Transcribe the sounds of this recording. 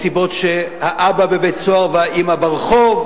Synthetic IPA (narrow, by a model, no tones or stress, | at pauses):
sibo̞tʃehaʔababebett͡soaʁvaimabaʁχov